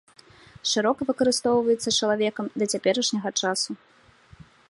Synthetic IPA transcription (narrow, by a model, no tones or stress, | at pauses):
ʂɨɾɔkɐvɨkɐɾɨst̪ɔwvɐjɛt̪sːɐt͡ʂɐlˠavʲɛkɐmd̪ɐt͡sʲapʲɛɾɐʂnʲɐɣɐt͡ʂasu